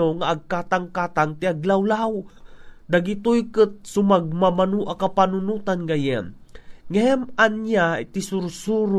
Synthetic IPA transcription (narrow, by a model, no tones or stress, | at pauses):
oŋaːɡ̚kat̪aŋkat̪aŋt̪iaɡlawlawd̪aɡit̪ujkɨt̪̚sʊmaɡ̚mamanuʔakapanunut̪anɡajɛnŋɛmanjat̪isʊɾsuɾ